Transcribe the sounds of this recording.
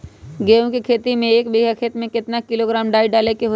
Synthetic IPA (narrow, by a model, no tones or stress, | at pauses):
ɡẽːkikʰeːt̪imẽeːkbiːɦakʰet̪mẽkɪt̪nakɪloɡɾaːmɖaːiɖaːlekeɦo